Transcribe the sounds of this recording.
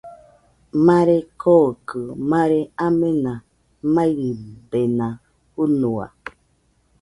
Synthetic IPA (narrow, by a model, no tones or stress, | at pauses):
maɾekʰokɨmãɾeamena | mãiɾibenã | unua̰